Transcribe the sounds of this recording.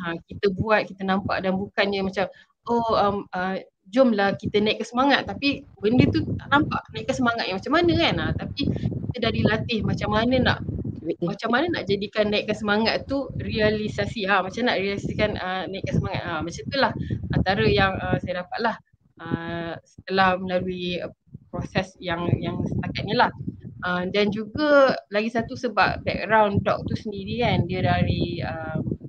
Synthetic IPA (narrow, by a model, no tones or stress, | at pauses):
akit̪əbuat̪̚kit̪ənãmpa̰ʔdanbukanɲəmat͡ʃam | oəmə | d͡ʒʊmlahkit̪ənaikasəmaŋat̪̚ːapibəndət̪una̰ʔnampaʔnaiʔkːansəmaŋat̪ʔamat͡ʃamːanəkanat̪apikit̪ədadilat̪ɪhmat͡ʃamːanəna̰ʔmat͡ʃamːanəna̰ʔd͡ʒadikanːaiʔkansəmaŋat̪t̪ːurialisasiamat͡ʃamnaʔɾialsasikanənaiʔkːansəmaŋa̰t̪̚əmat͡ʃamt̪ulahant̪aɾəjaŋəmsajadapat̪̚lah | əsə̥t̪əlahməlaluiə | pɾosɛsjaŋjaŋsə̥t̪akat̪̚ɲəlahʔəmdand͡ʒuɡalaɡisat̪usəba̰p̚bɛ̰k̚ɡɾawndɔ̰k̚t̪usəndiɾikandiədaɾiəm